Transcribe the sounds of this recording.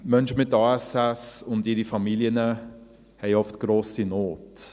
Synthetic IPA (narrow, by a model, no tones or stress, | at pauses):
mœnʃəmɪtːɑːɛsɛsʊndɪɾifɑmiliənə | hɛɪɔftɡ̥ɾoːsinoːt